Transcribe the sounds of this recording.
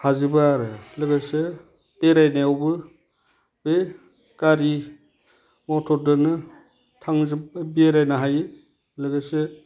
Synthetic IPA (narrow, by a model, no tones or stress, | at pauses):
hazibaɾɯlɯɡase | beɾajnaawbɯ | be | ɡ̥aɾi | mɔtʰɔdɯnɯ | tʰaŋzib̚bieɾajnaɦaj | lɯɡase